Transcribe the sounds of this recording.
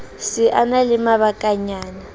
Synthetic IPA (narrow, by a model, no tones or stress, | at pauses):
siʔanalimaβakʼaɲaːna